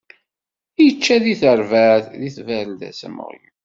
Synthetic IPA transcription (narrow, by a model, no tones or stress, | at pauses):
ijət͡ʃːæðiθəɾvæθðiθvæɾəld̪æ̰sə̰mə̰ʁjḭ